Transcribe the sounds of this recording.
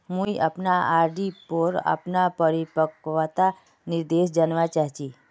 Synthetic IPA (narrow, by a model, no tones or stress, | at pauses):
mũiʔapnaaɾɖipəɾa̰pnapəɾipəkʋat̪a | niɾd̪eʃd͡ʒanʋat͡ʃaɦt͡ʃi